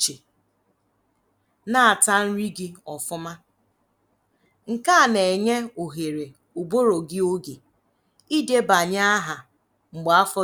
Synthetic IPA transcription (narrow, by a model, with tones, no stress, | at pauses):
t͡ʃe˨ | na˦a˨ta˦n̩˦ɾi˦ɡɪ˦ɔ˨fʊ˦ma˦ | ŋ̩˨ka˦˨ne˨ɲe˦o˨ɦe˨ɾe˨ | u˨bo˦ɾo˨ɡɪ˦o˦ɡe˨ | i˦de˦ba˨ɲa˦a˦ɦa˨ | ŋ͡m̩˨ɡ͡ba˦fɔ˦